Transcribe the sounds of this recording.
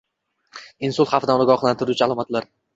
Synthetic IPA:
ɪnsʊlˠχɑfɪd̪anɒɡɒχlˠant̪ʰɪɾut͡ʃʰaalˠɒmat̪laɾ

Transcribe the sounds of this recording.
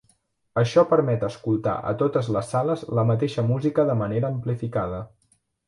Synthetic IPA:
əʃɔpəɾmɛt̪əskulˠt̪a̰ʔə̰t̪ot̪əzləsːaləzləmət̪̬eʃəmuzikəðəməneɾəːmplifikað̞ə

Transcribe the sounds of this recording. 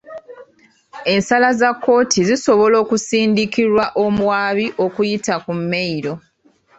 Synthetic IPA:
e̞nsalazakːo̞ːtʰiziso̞βo̞lo̞ːkusiːndikiɾwaʔo̞muwaːβiʔo̞kujitakumːeiɾo̞

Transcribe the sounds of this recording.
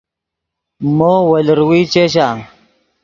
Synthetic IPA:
moːwɐləɾwiːt͡ʃeɕ̬a

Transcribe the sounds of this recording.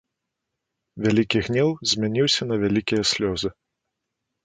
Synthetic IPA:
vʲalʲikʲiɣnʲɛwzʲmʲɛnʲiwsʲɐnɐvʲælʲikʲijɐsʲlʲɔzɨ

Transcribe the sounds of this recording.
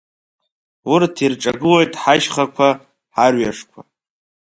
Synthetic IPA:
ʊrtʰirʈ͡ʂʼaɡɨlejtʼħaʃχakʷʰa | ħarɥaʂkʷʰa

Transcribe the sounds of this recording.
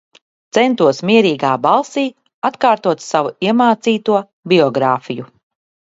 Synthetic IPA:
t̪sɛnt̪uɔsmiɛɾiːɡaːbalˠsiː | at̪kaːɾt̪uɔt̪ssavuiɛmaːt̪siːt̪uɔ | biɔɡɾaːfiju

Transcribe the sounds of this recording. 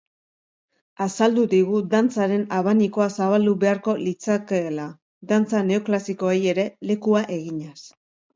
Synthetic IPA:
asald̪uðiɣud̪ant͡saɾe̞naβaniko̞asaβald̪uβe̞aɾko̞lit͡sakela | ðant͡sane̞oklasiko̞eje̞ɾe̞le̞kuaʔe̞ɣiɲas

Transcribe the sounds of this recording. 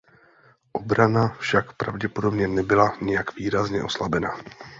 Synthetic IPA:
ʔo̞bɾanafʃakpɾavɟɛpo̞do̞bɲɛnɛbɪlaɲɪjakviːɾazɲɛʔo̞slabɛna

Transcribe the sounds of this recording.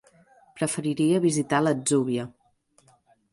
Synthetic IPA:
pɾəfəɾiɾiəβizit̪aləd͡zuβiə

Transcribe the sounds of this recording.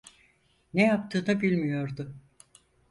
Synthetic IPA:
nejap̚t̪ʰɯːnɯbilʲmijo̞ɾd̪ʊ

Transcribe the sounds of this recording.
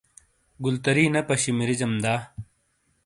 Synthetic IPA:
ɡult̪ɐɾiːnɐpɐɕimiɾid͡ʑɐmd̪aː

